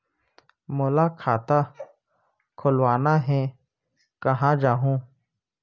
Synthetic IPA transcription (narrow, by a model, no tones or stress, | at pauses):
mʊlakʰaːt̪a | kʰʊlwaːnaɦɛ̃ | kəɦãd͡ʒaːɦũː